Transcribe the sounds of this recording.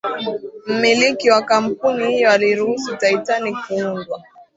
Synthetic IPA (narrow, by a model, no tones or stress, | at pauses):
m̩milikiwakam̩punihijɔwaliɾuhusutaitanikuundwa